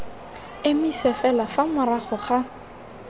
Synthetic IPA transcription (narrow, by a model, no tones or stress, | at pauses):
ɪmisɛfɛlafamʊraχɔχa